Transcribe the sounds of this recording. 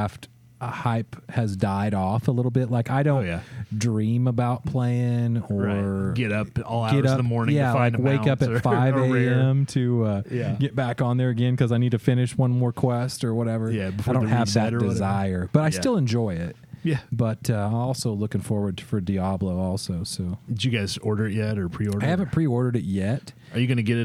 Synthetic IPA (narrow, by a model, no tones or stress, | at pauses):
æft | haɪphɨzdaɪɾɔfəlɪɾl̩ˠbɪt̚laɪkaɪɾõʊ̃jdɹĩməbaʊt̚pʰl̥eɪɪ̃ŋə˞ɡɛɾʌpɔ̰lˠɡɛɾʌəmɔɹnɪ̃jŋæfãɪ̃ndkweɪkʌpɨfaɪveɪɛ̃mtʰɨʌjæɡ̥ɛt̚b̥ækn̩ðə˞ɨɡɛ̃nkʰʌzaɪnid̚tʰɨfɪ̃ñɨʃwʌ̃nmɔɹkʰw̥ɛstə˞wʌɾɛvə˞jæbəfdõhɨvðɨdd̥ɨzaɪə˞b̥ʌɾaɪsɪlˠə̃nd͡ʒɔɪɪt̚ | jæb̥ʌtʌãɪ̃ɔlˠsoʊlʊkɪ̃ŋfɔɹwə˞d̚fə˞diɑbloʊɔlˠsoʊsoʊd͡ʒɨɡaɪzɔɹɾə˞ɨʔ̚jɛɾə˞pʰɹ̥iɔɹaɪhævə̃npʰɹ̥iɔɹɾə˞ɾɨt̚jɛt̚ | ə˞jɨɡʌnɨɡɛɾɨ